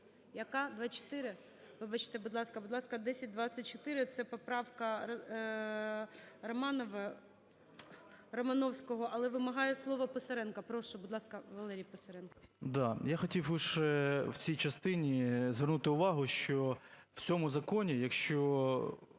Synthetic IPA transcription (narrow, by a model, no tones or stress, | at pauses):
jɐkɑd̪ʋɑt͡ʃɔ̥t̪ɪɾɪ | ʋɪbɑt͡ʃɪ̥t̪ɛbʊd̪lˠɑskɐbʊd̪lˠɑskɐd̪ɛsʲɐt̚ʲd̪ʋɑt͡sʲːɐt̚ʲt͡ʃɔt̪ɪɾɪt̪sɛpɔpɾɑwkɐ | rɐmɑnɔʋɐ | rɐmɐnɔwsʲkɔɦɔʔɐlˠɛʋɪmɐɦɑjɛslˠɔʋɐpɔsɐɾɛnkɐpɾɔʃʊbʊd̪lˠɑskɐʋɐlˠɛɾʲijpɔsɐɾɛnkɐd̪ɑjaxɔtʲiwʊʃɛwt͡sʲijt͡ʃɐst̪ɪnʲizʋernut̪ɪʊʋɑɦʊʃt͡ʃɔw̥t͡sʲɔmʊzɐkɔnʲijɐkʃt͡ʃɔ